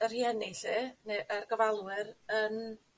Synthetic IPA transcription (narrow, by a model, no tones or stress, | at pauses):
ər̥hiənɪɬeneʔərɡəvalˠwɪɾən